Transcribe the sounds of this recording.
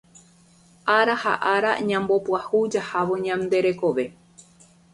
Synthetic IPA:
ʔaɾaha̰ʔaɾa̰ɲãmbo̞pwahud͡ʒahaʋoɲãmd̪e̞ɾe̞ko̞ʋe̞

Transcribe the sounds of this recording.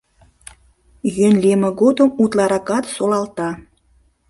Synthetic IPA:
jønlemə̆ɣod̪əmut̪lɑɾɑkɑt̪solɑlt̪ɑ

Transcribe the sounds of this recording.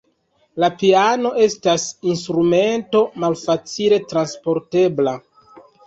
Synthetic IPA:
lapiano̞ʔe̞stasinstɾume̞nto̞malfat͡sile̞tɾanspo̞ɾte̞bla

